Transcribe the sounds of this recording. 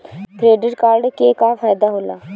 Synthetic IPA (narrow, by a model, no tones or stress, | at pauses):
kɾeːɖɪʈkaːɾɖkekafaːjd̪aɦoːlaː